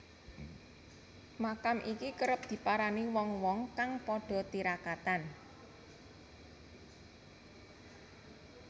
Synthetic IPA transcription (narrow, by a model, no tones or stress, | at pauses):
makamʔikikəɾəp̚d̪̥i̤paɾaniwɔŋwɔŋkaŋpɔɖ̥ɔ̤t̪iɾakat̪an